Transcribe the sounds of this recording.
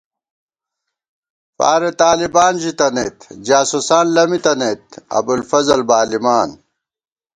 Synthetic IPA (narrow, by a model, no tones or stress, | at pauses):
fa̰ːɾet̪aːlibaːnʑit̪ɐnet̪d͡ʑaːsusaːnlɐmit̪ɐnet̪̚ɐ̰bulfɐzɐlbaːlimaːn